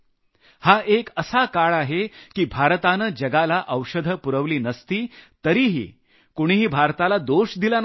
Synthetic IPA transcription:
haʔekəsakaɭaɦekiːbʱaɾt̪anəd͡ʑəɡalaʔəwʂəd̪ʱəpuɾəʋliːnəst̪iːt̪əɾiːɦḭː | koɽ̃iɦiːbʱaɾt̪alad̪oɕd̪ilan

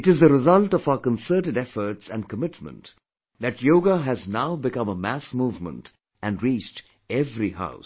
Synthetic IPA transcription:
ɪʈɨzðəɾɪzʌlʈɔfaʊəkə̃nsəːʈɨɖɛfəɾʈsæ̃nɖkəmɪʈmə̰̃nt | d̪æʈjoːɡaɦæznaʊbɪkʌ̃məmæsmuːvmə̰̃nt | æ̃nɾiːt͡ʃʈ | ɛvɾiha̰ʊs

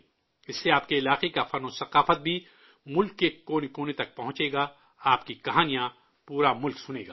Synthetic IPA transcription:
ɪsːeaːp̚keɪlaːqekafɐnosɐqaːfət̪̚bʱi | mʊlkːekoːnkoːnet̪ɐk̚pɐɦʊ̃t͡ʃeːɡaː | aːpkikɐɦaːnijã | puːɾamʊlksʊnḛːɡaː

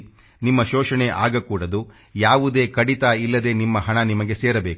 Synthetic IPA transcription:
nimːɐʃɔːʂɐɳeʔaːɡɐkuːɽɐd̪u | jaːʋud̪e̞ːkɐɽit̪aːilːɐd̪e̞ːnimːɐɦɐɳɐnimɐɡe̞seːɾɐbeːku̥

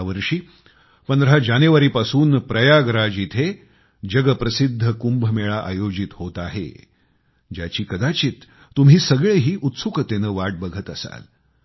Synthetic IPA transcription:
ʋəɾʂiː | pənd̪əɾɦad͡ʑaneʋəɾiːpasuːnpɾəjaɡɾad͡ʑit̪ʰe | d͡ʑəɡəpɾəsid̪ʱːəkumbʱəmeɭaʔa̰jod͡ʑit̪hot̪aɦḛ | d͡ʑjat͡ɕiːkəd̪at͡ɕiːt̪ː | um̤iːsəɡɭeɦiːʔut̪sukət̪enəːʋaʈ̚bəɡʱət̪əsa̰l

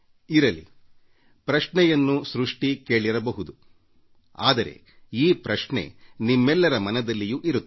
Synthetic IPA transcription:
iɾɐlḭ | pɾɐʂɳɛjɐnːusɾuʂʈikeːɭiɾɐbɐɦud̪u | a̰ːd̪ɐɾe̞̰ | iːpɾɐʂɳḛnimːɛlːɐɾɐmɐnɐd̪ɐlːijuʔiɾu

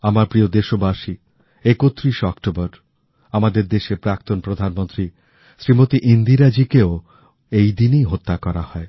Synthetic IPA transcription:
amaɾpɾiod̪eʃobaʃi | ekot̪ːɾiʃɔkʈobɔɾ | amad̪eɾd̪eʃepɾak̚t̪onpɾod̪ʱanmont̪ɾi | ʃɾimot̪iʔind̪iɾad͡ʑikeo | ejd̪inijɦot̪ːakɔɾa̰hɔe

